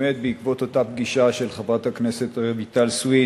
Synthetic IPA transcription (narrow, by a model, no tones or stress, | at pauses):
et̪̚beikvo̞t̪o̞t̪apɡiʃaʃe̞lχabat̪hakne̞se̞t̪aʁevit̪alswi